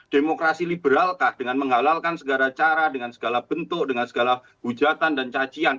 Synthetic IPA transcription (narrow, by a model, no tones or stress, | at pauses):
d̥emokɾasilibəɾalkahd̥əŋanməŋɦalalkansəɡalat͡ʃaɾadəŋansəɡalahb̥ənt̪ʊk̚dəŋansəɡala | b̥u̥d͡ʒat̪andant͡ʃḁd͡ʒian